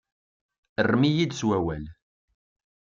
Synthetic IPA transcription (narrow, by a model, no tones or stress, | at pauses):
ərˤmijid̪swæwæl